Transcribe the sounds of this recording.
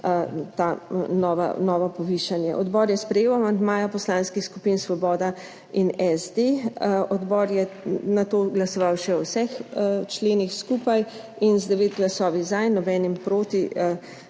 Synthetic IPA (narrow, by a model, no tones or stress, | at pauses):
t̪anɔːʋa̰nɔːʋɔpɔʋiːʃanjɛ̰ʔɔd̪bɔːɾjɛspɾɛjeːwamand̪maːjapɔslaːnskixskupinsʋɔbɔːd̪a | inɛzd̪eɔd̪bɔːɾjɛnat̪oːɡlasɔʋawʃɛɔwsɛxt͡ʃleːnixskuːpaj | inzd̪ɛʋeːt̪ɡlasɔːʋizanːɔbɛːnimpɾoːt̪i